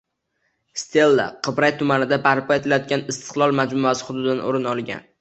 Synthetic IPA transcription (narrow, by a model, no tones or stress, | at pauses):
st̪ʰe̞lːa̰qʰɨbɾajt̪ʰʊmanɪd̪abaɾpʰɒe̞t̪ʰɪlajɒt̪̚kʲanɪst̪ʰɨ̥qlˠɒlˠmad͡ʒmʊasɪ̥χʊd̪ʊd̪ɪd̪ano̰ɾɪnɒlˠɡʲa̰n